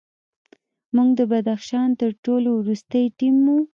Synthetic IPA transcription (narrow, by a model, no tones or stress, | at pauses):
muɡd̪əbad̪axʃɑnt̪əɾʈolowɾust̪əjʈimːu